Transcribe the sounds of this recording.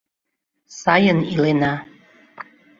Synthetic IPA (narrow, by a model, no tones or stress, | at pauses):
sɑjənilenɑ